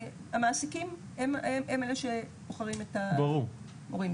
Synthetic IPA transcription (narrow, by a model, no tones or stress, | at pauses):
hamaːsikim | emeʔemeleʃe̥ | oχaʁimetabɐʁuʁ | oʁim